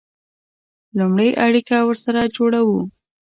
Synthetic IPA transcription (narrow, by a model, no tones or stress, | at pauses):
lumɽəjʔaɽikawəɾsaɾad͡ʒoɽawu